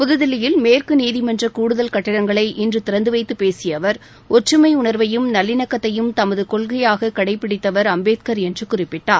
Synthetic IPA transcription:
pʊðɯðɪlɪjɪlmeːrkɯniːðɪmɛndrɐkuːɽɯðɐlkɐʈːɐɾɐŋɡɐɭɐɪʔɪndrɯt̪ɪɾɐnd̪ɯʋɐɪt̪ːɯpeːsɪjɐʋɐɾ | ʔɔʈrɯmɐɪʊɳɐɾʋɐjɯmnɐlːɪnɐkːɐt̪ːɐjɯmt̪ɐmɐðɯkɔlɣɐjaːɣɐkɐɽɐɪpːɪɽɪt̪ːɐʋɐɾɐmbeːt̪̚kɐɾɛndrɯkʊrɪpːɪʈːaːɾ

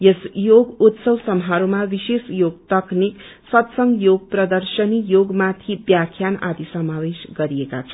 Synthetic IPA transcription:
jesjoɡut̪sʌwsʌmɦaɾumabisesjoɡt̪ʌknik | sʌt̪sʌŋjoɡ̚prʌd̪ʌrsʌnijoɡmat̪ʰibjakʰjana̰d̪isʌmawesɡʌɾieka̰t͡sʰʌ

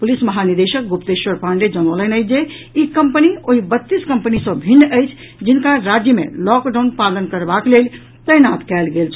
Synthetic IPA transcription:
pulisməɦaniɾd̪eʃək̚ɡupt̪eʃwəɾpãɳɖed͡ʒənolənəjt͡ʃʰd͡ʒe | ikəmpənioɦibət̪ːiskə̃mpənisə̃bʱinːəjt͡ʃʰ | d͡ʒinkaɾad͡ʒjəmḛlɔkɖaʊnpalənkəɾbaklel | t̪əjnat̪kɛlɡelt͡ʃʰ

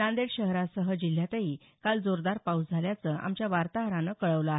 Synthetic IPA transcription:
ãnd̪eɽɕəɦɾasəɦəd͡ʑil̤ːjat̪əiː | kald͡zoɾd̪aɾpausd͡zʱaljat͡səʔa̰mt͡ɕjaʋaɾt̪aɦɾãnəkəɭəʋləaɦ

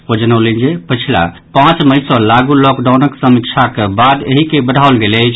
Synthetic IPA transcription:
od͡ʒənəwlənd͡ʒepət͡ʃʰila̰ | pãt͡ʃməjsɔlaɡulɔkɖawnəksəmikt͡ʃʰakebad̪eɦikebəɽʱaolɡelɛt͡ʃʰ

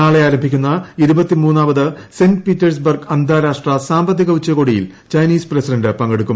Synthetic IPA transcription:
aːɭeaːɾɐmbʱikʲːunːɐiɾubɐt̪ːimuːnːaːbɐðɨsendpiːtːɐrs̬bɐrɡɐnd̪ʱaːɾaːʂʈrɐsaːmbɐt̪ːiɣɐʋut͡ɕːɐko̞ːɽijḭl | t͡ɕɐjniːsprɐsidɐndɨpɐŋɡeɽukːum

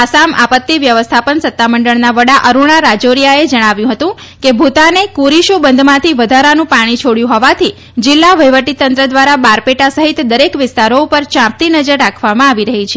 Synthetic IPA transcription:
asama̰pət̪ːiʋjəʋəst̪ʰapənsət̪ːaməɳɖəɭnaʋəɽaʔəɾuɳ̃aɾad͡ʒoɾijaed͡ʒəɽ̃aʋjũɦət̪ũ | kebʱut̪anekuɾiʃubənd̪mãt̪ʰiʋəd̪ʱaɾanũpaɽ̃it͡ʃʰoɽjũɦɔʋat̪ʰi | d͡ʒɪlːaʋəjʋəʈit̪ənt̪ɾəd̪ʋaɾabaɾpeʈasəɦit̪d̪əɾekʋɪst̪aɾoupəɾt͡ʃãmp̚t̪inəd͡ʒəɾːakʰʋamãaʋiɾəɦit͡ʃʰe

